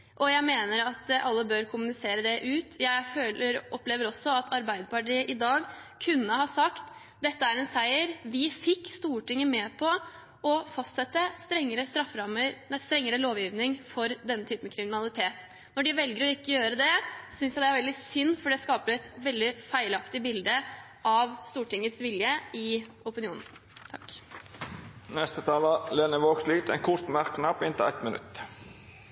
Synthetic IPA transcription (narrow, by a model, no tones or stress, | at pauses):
ʔɔjæɪmeːnəɾɑt̪ʔɑlːəbøɾkʰʊmʉnɪseːɾəd̪ɛʔʉːt̪jæɪføːləʔɔpleːʋəɾɔsːɔɑt̪ʰɑɾbæɪd̪əpɑʈiːəʔɪd̪ɑːɡkʰʉnːəhɑsɑkt̪ | d̪ɛt̪ːəæɾɛnsæɪəɾʋɪfɪkːst̪uːəʈɪŋːəmɛːpʰɔ | ʔɔfɑst̪sɛt̪ːəst̪ɾɛŋːəɾəst̪ɾɑfɾɑməɾɛst̪ɾɛŋːəɾəloːʋjiːʋnɪŋfɔɾd̪ɛnːət̪ʰyːpəm̩ɛkʰɾɪmɪnɑlɪt̪ʰeːt̪ | nɔɖɪʋɛlɡəɾɔɪkːəjøːɾəd̪ɛsʏnsjæd̪ɛæɾʋɛld̪ɪsʏnːfɔɖɛskɑːpəɾɛt̪ʋɛld̪ɪfæɪlɑkt̪ɪbɪld̪ə | ʔɑʋst̪uːʈɪŋːət̪sʋɪljəɪ | ʊpɪnɪuːnn̩ | t̪ʰɑ̰kː | nɛst̪ət̪ʰɑːləleːnəʋoːɡsliːt̪ɛ̰nkʰʊɾt̪mæɾkːnɑpːɪnt̪ɪlæ̰ɪt̪mənʉ̰t̪ː